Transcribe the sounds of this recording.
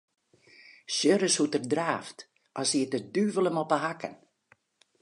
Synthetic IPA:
sjøɾəshutərdraːft | ʔɔsiətədyvələmɔpəɦakə̰n

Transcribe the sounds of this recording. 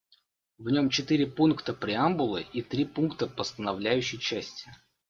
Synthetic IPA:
vnʲo̞mt͡ɕɪt̪ɨɾʲɪpunkt̪əpɾʲɪambʊlˠəit̪ɾʲipunkt̪əpəst̪ənɐvlʲæjʉɕːɪjt͡ɕæsʲtʲɪ

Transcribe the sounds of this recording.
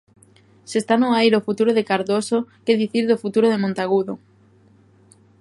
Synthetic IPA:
sest̪anoajɾofut̪uɾoðekaɾðosokeðiθiɾðofut̪uɾoð̞emõnt̪aɣuðo

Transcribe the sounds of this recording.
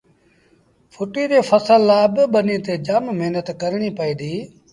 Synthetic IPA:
fʰʊʈiːɗeːfʰəsəlːaːbɪɓəniːt̪eːd͡ʒəmmeɦnət̪kəɾɽ̃iːpəiːd̪iː

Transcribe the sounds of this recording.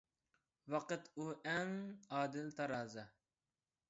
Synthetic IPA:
wɑqɨt̪ʰuʔɛŋɑːd̪ɪlt̪ʰɑɾɑːzɑ

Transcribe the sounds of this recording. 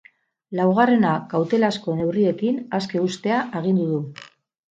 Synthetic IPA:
lawɣare̞nakawt̪e̞lasko̞ne̞wrie̞kinaske̞ust̪e̞aʔeɣ̞ind̪uðu

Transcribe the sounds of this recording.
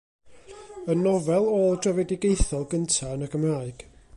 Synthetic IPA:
ənɔvɛlˠoːlˠdrɛvɛdɪɡejθɔlˠɡəntʰaənəɡəmraːɨɡ̥

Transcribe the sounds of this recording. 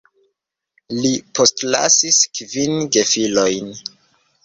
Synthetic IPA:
lipo̞stla̰siskvinɡe̞filo̞jn

